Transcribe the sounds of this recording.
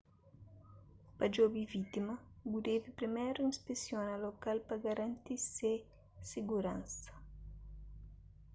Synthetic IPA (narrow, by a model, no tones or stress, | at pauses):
pad͡ʒobivit̪imɐɡud̪evipɾimɛɾuinspesjonalokalpaɡaɾant̪ise | siɡuɾãnsɐ̥